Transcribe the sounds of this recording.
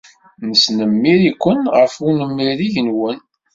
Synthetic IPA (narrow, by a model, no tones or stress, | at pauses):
nəsnəmːiɾikʷːənʁəfunəmːiɾiʝənwən